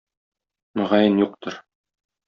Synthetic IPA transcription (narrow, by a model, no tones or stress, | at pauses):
mɘ̆ʁɑjɘnjuq̚t̪ɤɾ